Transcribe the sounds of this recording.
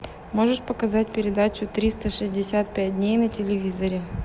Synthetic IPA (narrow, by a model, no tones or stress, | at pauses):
mo̞ʐɨʂpəkɐzat̚ʲpʲɪɾʲɪd̪at͡ɕʊt̪ɾʲist̪əʂɨzʲdʲɪsʲat̪̚pʲæt̚ʲdʲnʲejnətʲɪlʲɪvʲizəɾʲɪ